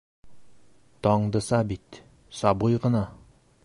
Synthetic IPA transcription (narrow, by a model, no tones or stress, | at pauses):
t̪ɒɴd̪ɤ̆sɑbit̪ | sɑbujʁɤ̆nɑ